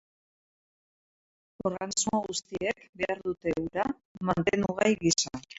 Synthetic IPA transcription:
o̞ɾɣant͡smuoɣust̪ie̞kbe̞aɾðut̪e̞wɾa | mant̪e̞nuɣajɣisa

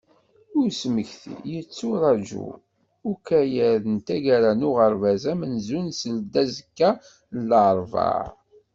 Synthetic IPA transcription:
ʊɾsməçθḭjət͡sːʊɾˤɑd͡ʒṵ | ʊkæjæðənt̪æʝæɾænʊʁəɾˤvæzæmənzunsəld̪æzəkːæ | ələʕəɾˤvɑ̰ɾ

